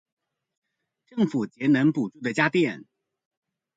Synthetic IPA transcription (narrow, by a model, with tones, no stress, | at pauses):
ʈ͡ʂɤ˥˩ŋfu˨˩t͡ɕjɛ˧˥nə˧˥ŋpu˨˩ʈ͡ʂu˥˩d̪ə˩t͡ɕja˥t̪jɛ˥˩n